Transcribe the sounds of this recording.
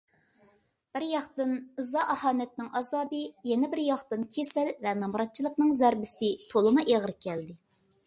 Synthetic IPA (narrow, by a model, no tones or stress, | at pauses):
b̥ɪɾjɑχt̪ɨnɨzɑʔɑhɑːnɛt̪nɪŋɑzɑːbɨjɛnɛbɪɾjɑχt̪ɨnkʲʰesælvɛnɑmɾɑt̪̚t͡ʃʰilˠəqnɨŋzæɾbɪsɪt̪ʰolˠɨmɨʔeʁəɾkʲʰɛld̪ɪ